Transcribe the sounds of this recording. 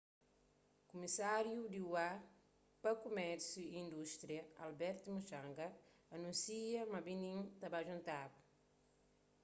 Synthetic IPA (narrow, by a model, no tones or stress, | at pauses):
kumisaɾjud̪iwa | pɐkumɛɾsjuĩnd̪uʃt̪ɾiɐa̰lbɛɾt̪umuʃãŋɡɐ | ɐnũnsiɐmɐbinĩnt̪ɐbaʒũnt̪abu̥